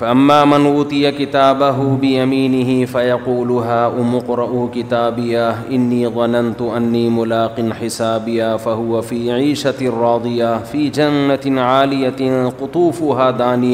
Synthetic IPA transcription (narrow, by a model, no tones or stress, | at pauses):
faʔamːaːmanʔuːt̪ˤɨjakɪt̪aːbaɦʊbɪjamiːnɪɦɪfajɑquːlʊɦaːʔʊmʊqɾˤɑʔʊkɪt̪aːbɪjaʔɪnːiːðˤɑnant̪ʊʔanːiːmʊlaːqɨnħɪsaːbɪjaːfaɦʊwafiːʕiːʃarˤːɑːd̪ˤɨjafiːd͡ʒanːaʕaːlɪjaqʊt̪ˤuːfʊɦaːd̪aːnɪja